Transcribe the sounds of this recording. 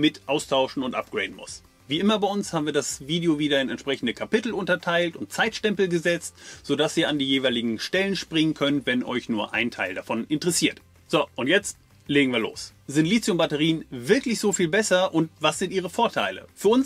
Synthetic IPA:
mɪtʔaʊstʰaʊʃn̩ʊntʔap̚ɡ̥ʁḛɪdn̩mʊ̰s | viːʔɪmɐbaɪʊnshaːbm̩viːɐdasviːdeoviːdɐɪnɛ̰ntʃpʁ̥ɛçn̩dəkʰapɪtl̩ʊntɐtʰaɪltʊntt͡saɪtʃtɛmpl̩ɡəzɛt͡stz̥oːdasiːɐandiːjeːvaɪlɪɡŋ̩ʃtɛlənʃpʁ̥ɪŋənkʰœntvɛnʔɔ̰ʏçnuːɐʔa̰ɪntʰaɪldafɔnʔɪntəʁɛsiːɐt | z̥oʔʊntjɛt͡st | leːɡŋ̩viːɐlo̰ːsz̥ɪntliːt͡sjʊmbatəʁ̞iːənvɪɐklɪçz̥oːfiːlbɛsɐʔʊntvasz̥ɪntʔiːʁ̞əfoːɐtʰa̰ɪlə̰fyːɐʊns

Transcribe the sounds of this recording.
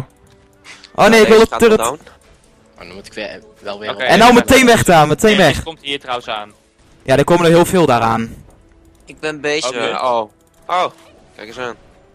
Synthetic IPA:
ʔoːneːɪkʋɪlˠədərət | dmutɪ̥k | ɛɛndɔməteːnʋɛχtaːməteːnʋɛχmtiːtrawəsaːn | jadəkoːmənɔχheːlˠfeːlˠdaːɾaːn | ɪɡ̚bɛnbejzo | o | kkan

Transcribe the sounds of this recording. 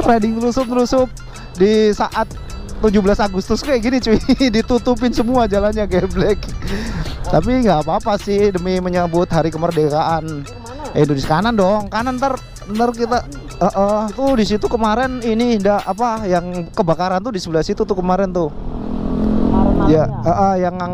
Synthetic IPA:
redɪŋt̪əlusʊp̚t̪əlusʊp̚ | disaʔat̪ː | ud͡ʒʊbəlasaɡust̪ʊskajaɡinit͡ʃuidit̪ut̪up̬ɪnsəmuad͡ʒalanɲaɡɛblɛk | t̪ap̬iŋɡaːpaːpasɪhdəmiməɲabʊt̪̚ɦaɾikəmərdekaʔan | aindonisjakanandɔŋkanant̪ər | ənt̪ərk̬it̪a | əʔət̪udisit̪ukəmaɾɛninidaapajaŋkəbakaɾant̪udisəbəlasit̪ut̪ukəmaɾɛnt̪ʊ | jaəʔəhjaŋaŋ

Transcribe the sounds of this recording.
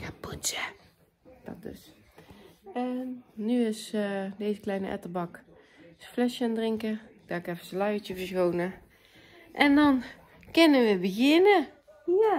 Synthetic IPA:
apusə | d̥ɔ̰t̚dø̰s | ɛːyɪsdeːzəklɛjnə̰ʔɛ̰təbɑk | sflɛʃjandrɪŋkə | d̥aːɪkɛfənsəlœɥət͡ʃəvəɹsɣoːnə | ʔɛndɔn | kɪnəʋəbəɣɪnə | ja

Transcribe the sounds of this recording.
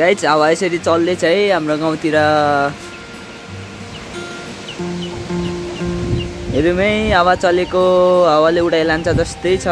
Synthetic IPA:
ajt͡sʰawaesʌɾit͡sʌlːet͡sʰʌjɦamroɡaw̃t̪iɾa | ɦeɾumʌjawat͡sʌlekoɦawaleuɽajlant͡sʰʌd͡zʌst̪ʌjt͡sʰʌ

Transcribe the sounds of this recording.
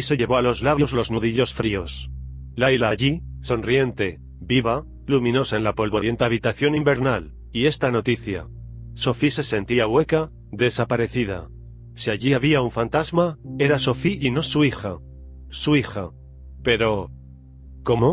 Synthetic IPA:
ise̞ʎe̞βo̞alo̞zlaβjo̞zlo̞znuðiʎo̞sfɾio̞s | lajlaʎiso̞nrie̞nt̪e̞ | biβa | lumĩno̞saenlapo̞lβoɾje̞nt̪eaβ̞it̪aθjo̞nimbe̞ɾnal | ie̞st̪ano̞t̪iθja̰ | so̞fise̞se̞nt̪iawe̞ka | ðe̞sapaɾe̞θið̞a̰ | siaʝiaβiauɱfant̪azmae̞ɾaso̞fiino̞suixa | suixa | pe̞ɾo̞ | ko̞mo

